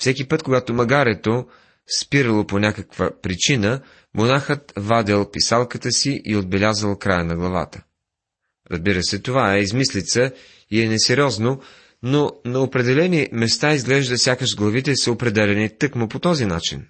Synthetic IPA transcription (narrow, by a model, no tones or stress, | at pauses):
fsɛkipət̪koɡat̪omɐɡaɾɛt̪o | spiɾəlˠoponʲakəkvəpɾit͡ʃinə | monaxət̪vad̪ɛlˠpisalˠkət̪əsiʔiod̪̚bɛlʲazəlˠkɾajənɐɡlˠɐva̰t̪ə̥ | ɾɐ̰zbiɾəsɛt̪ovaɛizmislit̪sə | iɛnɛsɛɾʲɔzno | nonɐopɾɛd̪ɛlɛnimɛst̪aizɡlɛʒd̪əfsʲjakəʃɡlˠɐvit̪ɛsəopɾɛd̪ɛlɛnit̪ɤkmopot̪ɔzinat͡ʃḭn